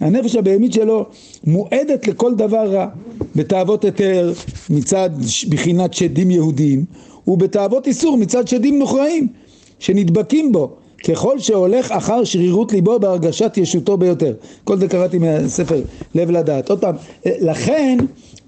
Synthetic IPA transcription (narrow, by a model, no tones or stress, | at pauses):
hane̞feʃabejemit̪ʃelo̞ | moʔe̞d̪e̞t̪le̞ko̞ld̪avaʁːabe̞taːvo̞t̪jo̞teʁmit͡sad̪ʃbχinat̪ʃed̪imjehudiim | ube̞t̪aːvo̞t̪isuʁmit͡sad̪ʃed̪imnoχʁaim | ʃe̞nid̪bakimbo̞ | ke̞χo̞lʃe̞o̞le̞χaχaʁʃʁiʁut̪libo̞beaʁɡaʃat̪jeʃuto̞bejo̞t̪e̞ʁko̞lzekaʁat̪imeasefeʁle̞vladaːt̪od̪̚pamlaχen